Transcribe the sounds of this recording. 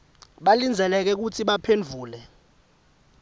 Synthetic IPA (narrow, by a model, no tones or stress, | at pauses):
ɓalind͡zʱɛlɛk̬ɛk̬utʰiɓapʰend͡vʱuːlɛ